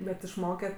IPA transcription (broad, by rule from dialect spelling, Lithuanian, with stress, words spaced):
bʲɛt ɪʃˈmoːkʲɛ